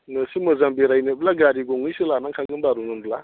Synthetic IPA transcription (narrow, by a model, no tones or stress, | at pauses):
nɯsimɯzambeɾajnablaɡaɾiɡɔŋɯjsɯlanaŋkʰaɡɯnbaɾunɯnbla